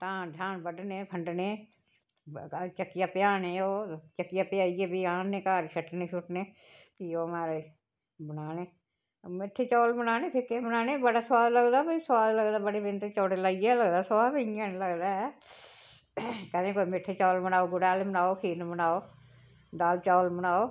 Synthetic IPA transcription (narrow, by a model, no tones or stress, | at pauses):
t̪ãːd̪ʱjaːnbəɖneːpʰəɳɖneː | t͡ʃəkːijaːpɪjaːneːoːt͡ʃəkːɪjaːpɪjaːiːɛːbiːãːnnẽːkaːɾʃʰəʈnẽːʃʰʊʈneː | piːoːmaːɾ | bənaːneː | mɪʈʰːeːt͡ʃɔːlbənaːneːt̪ʰɪkːeːbənaːneːbəɽaːswaːd̪ləɡd̪aːpəisəwaːd̪ləɡd̪aːbəɽeːbɪnt̪et͡ʃoːɽeləijɛːləɡd̪aːswaːd̪əãːnləɡd̪aː | kəd̪ẽːkoːimɪʈʰːeːt͡ʃɔːlbənaːoːɡʊɽaːlemənaːoːkʰiːnbənaːoː | d̪aːlt͡ʃɔːlbənaːoː